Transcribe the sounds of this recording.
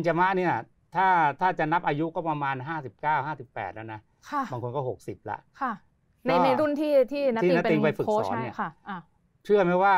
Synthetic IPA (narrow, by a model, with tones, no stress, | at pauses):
nt͡ɕa˧ma˦˥ʔni˥˩ɐ | t̪ʰaː˥˩t̪ʰaː˥˩t͡ɕa˨˩na˦˥p̚ʔaː˧ju˦˥kɔː˥˩pa˧maː˧nɦaː˥˩si˨˩p̚kaː˥˩whaː˥˩si˨˩pːɛ̰ː˨˩t̪̚lɛ̰˦˩na˦˥ | kʰa˩˥˩baː˧ŋkʰo˧nkɔː˥˩ho˨˩k̚si˨˩p̚la̰˦ʔkʰa˥˩ | na˧˥na˧jɾu˥˩nt̪ʰiː˥˩t̪ʰiː˥˩˦iː˥˧˩n˦˥i˧ŋpa˧jfɯ˨˩kːni˥˩˥ | t͡ɕʰɯ˥˩ɐma˦˥jwaː˥˩